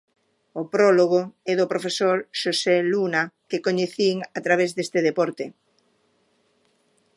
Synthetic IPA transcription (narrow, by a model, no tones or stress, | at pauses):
opɾoloɣoɛðopɾofesoɾʃoselunakekoɲeθiŋat̪ɾaβ̞ezðest̪eðepɔɾt̪e